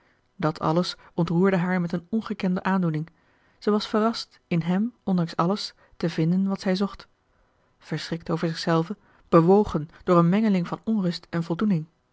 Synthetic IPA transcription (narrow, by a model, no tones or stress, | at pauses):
dɑtʰɑ̰ləsɔntruːɹdəɦaːɹmɛtənɔnχəkɛndəʔaːndunɪŋ | z̥ɛjʋɑsfərɑst | ɪnɦɛmɔndɑŋsɑləs | təvɪndənʋɑtsɛjzɔχt | v̥əɹsrɪk̚towvəɹzɪχsɛlˠvə | b̥əʋowχənd̥ʊːɹənmɛŋəlɪŋvɑnɔnrɵstɛnvɔlˠdunɪŋ